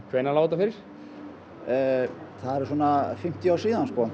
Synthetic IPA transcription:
kʰvɛjnalaːwt̪afɪɾɪɾ̥ | θaðɛɾ̥swoɔnafɪm̥t̪iaːwsiːðanskoa

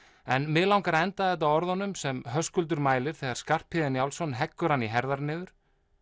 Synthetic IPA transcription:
ɛnmɪlawŋkaɾɛnt̪aðɛt̪ːaɔɾðɔnːʏmsɛmɦœskʏlt̪̬ʏɾmaːjlɪɾ̥θɛːɣaɾ̥skar̥phɪðɪnjawlsɔnɦɛkːʏɾ̥hanːiɦɛɾðaɾnɪːðʏɾ̥

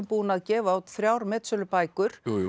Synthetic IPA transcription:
mpuːnaðcɛːvaawt̪θɾjawɾmɛːt̪sœlʏpaːjkʏɾ̥

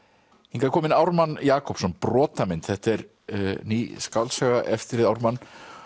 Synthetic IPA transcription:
hɪŋkaɾkʰɔːmɪnawɾmanːjaːkɔpsɔnprɔːt̪amɪnt̪θɛht̪ɛɾ | niskawlsœɣaʔɛft̪ɪɾɪðawɾmanː

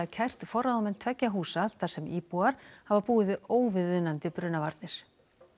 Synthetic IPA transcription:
cʰajr̥t̪fɔɾaðmɛn̥t̪ʰvɛcːaɦuːsaðθasɛmiːpuaɾ̥havapuːɪðɪoːwvɪðʏnant̪ɪpɾʏnːavaɾt̪nɪɾ̥

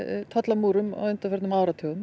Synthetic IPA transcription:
t̪ʰɔt̪lamuːɾʏma̰wʏnt̪afɛɾt̪nmaːwɾat̪ʰœːɣʏm

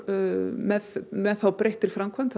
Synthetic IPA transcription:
mɛðmɛðθawpɾejht̪ɪɾ̥fɾamkʰvant̪ʰ

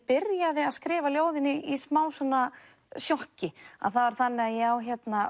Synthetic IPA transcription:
pɪɾjaðɪaðskɾɪːvaljoːwðɪnːɪʔismaːwsɔnːa | sjɔhcɪa̰ðθavaɾ̥θanːɪaðjɛawçjɛt̪na

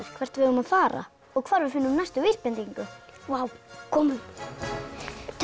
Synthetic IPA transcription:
ɪɾ̥kʰv̥ɛr̥t̪vɪðʏmaðfaːɾa̰ | ɔɣkʰvaːɾvɪ̥fɪnːʏmnast̪ʏvispɛnt̪iŋkʏwaːwkʰɔːmʏn | t̪ʰ

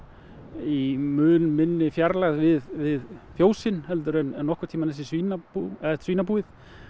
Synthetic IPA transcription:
imʏːnmɪnːɪfjaɾlaɣðvɪðvɪðfjoːwsɪnhɛlt̪ʏɾɛnɛnːɔhkʏ̥ɾt̪ʰiːmanθɛs̬ɪsviːnapuɛ̥sviːnapuːɪθ

